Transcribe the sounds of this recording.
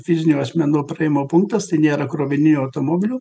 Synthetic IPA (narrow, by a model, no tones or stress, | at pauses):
fʲɪzʲɪnʲuɐsʲmʲɛnuːpɾɐɪmoːpʊŋkt̪ɐst̪ɐɪnʲeːɾɐkɾoːbʲɪnʲɪnʲuːɐʊt̪oːmoːbʲɪlʲuː